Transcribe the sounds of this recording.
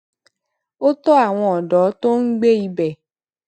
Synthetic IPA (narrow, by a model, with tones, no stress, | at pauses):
o˦tɔ˦a˦˨w̃ɔ̃˧ɔ˨dɔ˨˦to˦n̩˦ɡ͡be˦i˧bɛ˦˨